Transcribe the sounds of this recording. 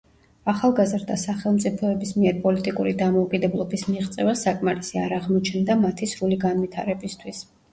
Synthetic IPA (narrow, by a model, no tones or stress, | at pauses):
aχalˠɡazɾd̪asaχɛlˠmt̪sʼipʰɔɛbismiɛɾpʼɔlit̪ʼikʼuɾid̪amɔukʼid̪ɛblˠɔbismiʁt̪sʼɛvasakʼmaɾisiaɾaʁmɔt͡ʃʰnd̪amat̪ʰisɾuliɡanvit̪ʰa̰ɾɛbist̪ʰwis